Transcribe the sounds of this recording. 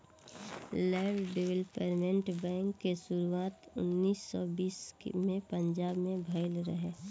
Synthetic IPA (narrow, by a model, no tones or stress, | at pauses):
lɛːʋɖeʋəlpeɾmẽɳʈbɛ̃ːŋkːeʃʊɾuaːt̪ʊ̰nːiːsːɔbiːsmẽpə̃ɲd͡ʒaːbmẽbʱəɪlɾəɦeː